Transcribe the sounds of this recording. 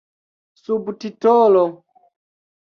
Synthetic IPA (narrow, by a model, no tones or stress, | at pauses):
subtitɔlɔ